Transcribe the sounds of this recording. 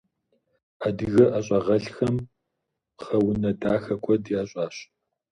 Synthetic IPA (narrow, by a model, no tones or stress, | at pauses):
adɨɣɐʔɐɕʼɐʁɐɬxɐm | χɐwʊnɐdaːxɐkʷʰʼɔdjaːɕʼaːɕ